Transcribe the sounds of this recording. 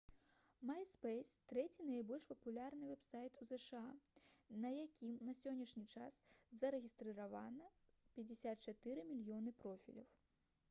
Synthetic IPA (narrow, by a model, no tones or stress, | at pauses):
majspɛjst̪ɾɛt͡sʲinɐjbɔlʲʂpɐpulʲarnɨvɛpsajt̪uzɛʂɨanɐjakʲimnɐsʲɔnʲːɐʂnʲit͡ʂaszɐɾɛɣʲist̪ɾɨɾavanɐpʲɐd͡zʲɪsʲat̪̚t͡ʂat̪ɨɾɨmʲilʲjɔnɨpɾɔfʲḭlʲɐ̰w